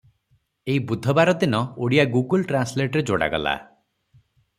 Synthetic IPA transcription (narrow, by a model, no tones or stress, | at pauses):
eibud̪ʱɔbaɾɔd̪inɔoɽijaɡuɡulʈɾansleʈɔɾed͡ʒoɽa̰ɡɔ̰la̰